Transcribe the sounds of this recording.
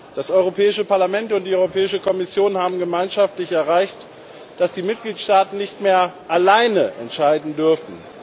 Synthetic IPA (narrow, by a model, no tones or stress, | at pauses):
d̥asʔɔʏʁ̞opʰɛːɪʃəpaɐlamɛntʊnt̚d̥iːɔʏʁopʰɛːɪʃəkʰɔmɪsjoːnhaːbm̩ɡəmaɪnʃaftlɪçɛɐʁ̞aɪçt | d̥asd̥iːmɪt̚ɡ̥liːtʃtaːtn̩nɪçtmeːɐʔalaɪnəʔɛ̰ntʃaɪdn̩dʏɐfn̩